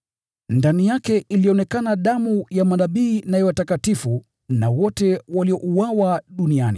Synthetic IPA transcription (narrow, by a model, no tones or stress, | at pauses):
ndanijakɛʔiliɔnɛkanaɗamujamanaɓiːnajɛwatakatifu | nawɔtɛwaliɔʔuwawaɗunianḭ